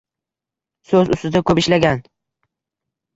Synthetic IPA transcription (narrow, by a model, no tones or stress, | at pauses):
sɵzʊ̰st̪ɪd̪akʰɵpɪʃlaɡʲan